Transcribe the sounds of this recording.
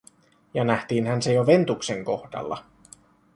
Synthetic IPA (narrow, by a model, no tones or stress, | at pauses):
jɑnæht̪iːnɦænsejoʋe̞nt̪ukse̞ŋko̞hdɑ̰lːɑ̰